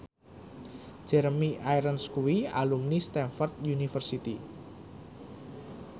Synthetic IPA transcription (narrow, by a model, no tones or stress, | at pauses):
d͡ʒ̥ɛɾmiʔaiɾənskuwia̰lumnist̪ɛnfɔrt̪̚junifərsit̪i